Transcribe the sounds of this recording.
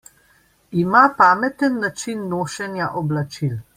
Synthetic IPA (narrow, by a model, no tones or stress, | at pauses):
imapaːmɛt̪ənːat͡ʃinːoːʃɛnjaʔɔblat͡ʃil